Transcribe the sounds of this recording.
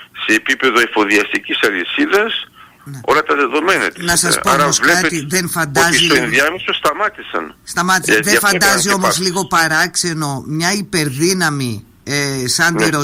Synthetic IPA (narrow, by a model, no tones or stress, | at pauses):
se̞ːpipe̞ðo̞efoðiɐst̪icisɐlisiðɐs | neo̞̰lɐt̪ɐðeðo̞menɐ̰t̪nɐsɐspoɾpɐosvlɐt̪iðenfɐnd̪ɐziloenðiɐmesost̪ɐmɐt̪isɐ̰nst̪ɐmɐt̪isðefɐɐnd̪ɐzio̞mozliɣo̞pɐɾɐkse̞no̞mɲɐipe̞ɾðinɐmi | sɐnd̪ɾo